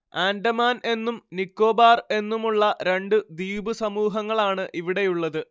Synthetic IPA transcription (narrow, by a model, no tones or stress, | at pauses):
aːnɖɐmaːne̞nːumnikːo̞ːbaːre̞nːumuɭːɐɾe̞ɳɖɨd̪iːbusɐmuːɦɐŋːɐɭaːɳɨʔiʋiɽe̞juɭːɐðɨ